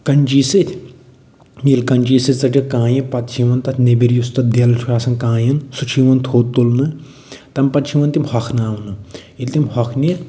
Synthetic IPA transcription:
kɐnʲt͡ʃiːsɨt̪ʲʰ | milkɐnʲd͡ʒiːsɨt͡sɐʈikãːjipɐt̪t͡ʃʰiʋɐnt̪ɐt̪ʲʰnebiɾjust̪ɐt̪̚d̪elt͡ʃʰuaːsɐnkãːjɐnsut͡ʃʰiʋɐnt̪ʰoːt̪ːolnɨ | t̪ɐmpɐt̪t͡ʃʰiʋɐnt̪imhɐkʰnaːʋnɨilt̪imhɐkʰni

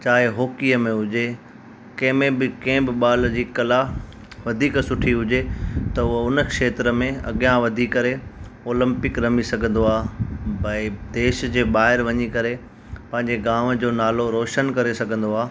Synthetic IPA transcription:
t͡ɕaːɦɪɦoːkijəmẽɦʊd͡ʑe | kɐ̃ɦɪ̃mẽbɪkɐ̃ɦɪ̃bɪɓaːld͡ʑiːkɐla | ʋɐd̪ʱiːksʊʈʰiɦʊd͡ʑet̪ɐʊɦəʊnə̆kʃeːt̪ɾəmẽɐ̰ɠijãʋɐd̪ʱiːkːɐɾe | oːlə̃mpɪkɾɐmisɐɡʱə̃nd̪oaːbɐɪd̪eːʃd͡ʑeːɓaːɦɪɾʋɐɲikɐɾe | pɐ̃ɦɪ̃ɲd͡ʑeɡaːʋd͡ʑoːnaːloɾoːʃənkɐɾesɐɡʱə̃nd̪oaː

